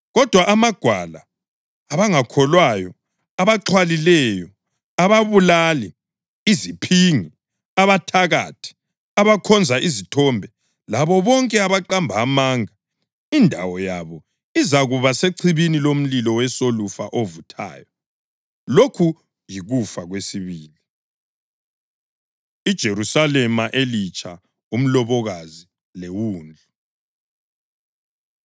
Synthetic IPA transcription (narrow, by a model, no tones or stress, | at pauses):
ɣɔd̥ʱwaʔːmaɡ̥ʱwalaː | βaŋakʰɔlwajɔ | aβaǁʰwalilɛjɔ | aβaβulaliː | zipʰiŋi | aβatʰaɣatʰi̥ | aβakʰɔnd͡zʱaʔizitʰɔmbʱɛ | laβɔβɔŋkʼɛaβaǃambʱaːmaːŋa | indʱa̰wɔja̰βɔ | izaɣuβaseǀʰiβinilom̩lilɔwɛsolufa̰ʔovutʰa̰ːjɔ | lokʰu | jiɣufaɣwesiβiːli | id̥ʒ̥ʱeɾusalɛmaʔelit͡ʃʼʰa | um̩lɔβɔɣazi | lewuːnd͡ɮʱu